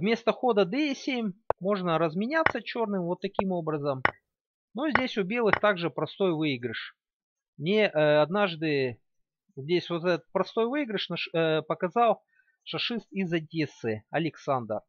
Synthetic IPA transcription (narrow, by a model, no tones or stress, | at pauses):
vmʲe̞st̪əxo̞d̪əd̪ɨɪsʲemʲmo̞ʐnəɾəzmʲɪnʲat̪sːət͡ɕo̞rnɨmvo̞t̪ːɐkʲimo̞bɾəzəm | nozʲdʲesʲʊbʲe̞lˠɨxt̪aɡʐɨpɾɐst̪o̞jvɨɪɡɾɪʂ | mnʲeʔɐd̪naʐd̪ɨ | zʲdʲesʲvot̪ɛt̪ət̪̚pɾɐst̪o̞jvɨiɡɾɪʂnɐʂpəkɐzɑlˠ | ʂɐʂɨst̪izɐdʲesɨɐlʲɪksand̪ər